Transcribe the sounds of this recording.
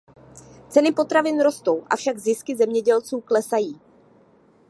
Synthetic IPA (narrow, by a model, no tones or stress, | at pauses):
t͡sɛnɪpo̞t̪ɾavɪnɾo̞st̪o̞wʔa̰fʃaɡzɪskɪzɛmɲɛɟɛlt͡suːklɛsajiː